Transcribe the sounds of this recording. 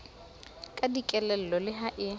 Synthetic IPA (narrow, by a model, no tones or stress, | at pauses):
kʼadikʼɛlɛl̩lɔlɪɦaʔɪ